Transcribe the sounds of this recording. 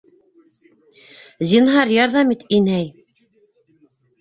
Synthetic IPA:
zinɦɑɾjɑɾðɑmit̪inæj

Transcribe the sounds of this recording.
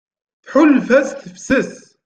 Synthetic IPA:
θħʊlːfæsθəfsəs

